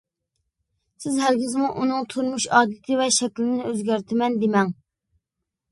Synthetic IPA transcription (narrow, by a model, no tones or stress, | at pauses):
sɪzɦælɡʲizmuʔunɨŋt̪ʰuɾmuʃɑːd̪ɨt̪ʰɪvɛʃɛkʲlɪd̪ɪnɪøzɡʲæɾt̪ʰɪmɛnd̪ɪmɛŋ